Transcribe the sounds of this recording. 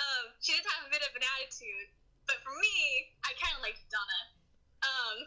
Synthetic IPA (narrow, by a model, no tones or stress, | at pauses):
ʌ̃mʃidɪdⁿn̩əvɨbɪɾʌvɨ̃næɾɨtʰʉd̥ | b̥ʌtfə˞miaɪkʰæ̃nʔlaɪkɨdɑnət̚ | ʌ̃m